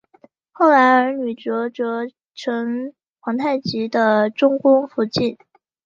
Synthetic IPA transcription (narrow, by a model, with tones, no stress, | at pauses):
xo˥˩ʊla˧˥ɪə˞˧˥ny˨˩ʈ͡ʂɤ˧˥ʈ͡ʂɤ˧˥ | ʈ͡ʂʰɤ˧˥ŋ | xwɑ˧˥ŋt̪ʰa˥˩ɪt͡ɕi˧˥d̪ə˧ʈ͡ʂʊ˥ŋkʊ˥ŋfu˧˥t͡ɕi˥˩n